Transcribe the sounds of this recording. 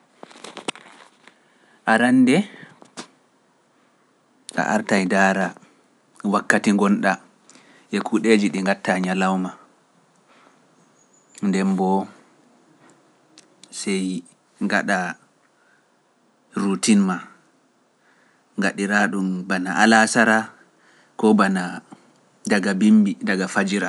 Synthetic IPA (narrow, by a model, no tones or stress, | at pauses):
ʔaɾandɛ | ʔa̰ʔaɾtajdaːɾa | wakːatiŋɡɔnɗa | ʔɛkʰuɗed͡ʒiɗiŋɡatːaɲalawma | ndɛmbɔ | sɛj | ŋɡaɗa | ɾutinma | ŋɡaɗiɾaɗumbanaʔalasaɾa | kɔbana | daɡabimbidaɡafad͡ʒiɾa